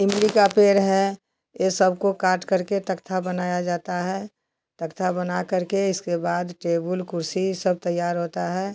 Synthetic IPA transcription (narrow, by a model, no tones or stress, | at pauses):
ɪ̃mlikapeːɾɦɛ | jesəbʱkokaːɾʈkəɾket̪əkt̪ʰabənaːjad͡ʒaːt̪aɦɛ | t̪əkt̪ʰabənakəɾkeɪskebaːd̪ʈeːbəlkʊɾsisəb̚t̪əjːaːɾɦoːt̪aɦɛː